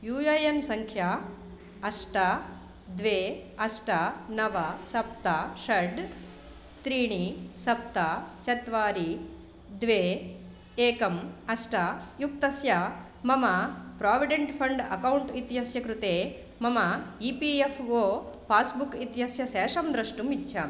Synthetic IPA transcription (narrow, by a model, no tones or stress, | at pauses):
juːjɐjensɐŋkʰja | ɐʂʈɐ | d̪ʋeːɐʂʈɐnɐʋɐsɐp̚t̪ɐʃɐɖ | t̪ɾiːɳisɐp̚t̪ɐt͡ʃɐt̪ʋaːɾi | d̪ʋeː | eːkɐmɐsʈɐjuk̚t̪ɐsjɐ | mɐmɐpɾaːʋiɖeɳʈpʰɐɳɖɐkɐwuɳʈit̪jɐsjɐkɾut̪eː | mɐmɐipiepʰoːpaːsbukit̪jɐsjɐʃɛːʂɐmd̪ɾɐʂʈumitːʃʰɐ